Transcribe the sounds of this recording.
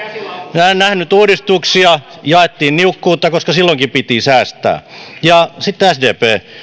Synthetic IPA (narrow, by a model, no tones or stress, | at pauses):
minæennæhnyt̪uːɾist̪uksiɑ | jɑet̪ːiːnniukːuːt̪ːˑɑkoskɑsilːoŋkipit̪isæːst̪æ̰ːjɑsit̪ːæsdeːpeː